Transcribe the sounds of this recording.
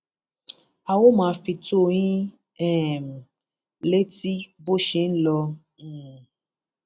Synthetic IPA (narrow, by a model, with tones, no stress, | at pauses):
a˧wo˦mãː˨˦fi˧to˦˨jĩ˦ | ɛ˦˨m˨ | le˦ti˦bo˦ʃe˧˦˨n̩˦lɔ̃˧˨